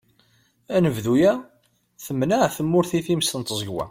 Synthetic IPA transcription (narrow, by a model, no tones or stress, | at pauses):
ænəvðujæ | θəmːnaʕθəmːʊɾθiθimst̪ənt̪zˤəɡwæ̰